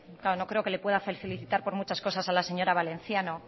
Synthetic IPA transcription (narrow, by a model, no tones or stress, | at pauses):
klaono̞kɾe̞o̞ke̞le̞pwe̞ðafelθeliθit̪aɾpo̞ɾmut͡ʃasko̞sasalaseɲo̞ɾaβale̞n̟θjano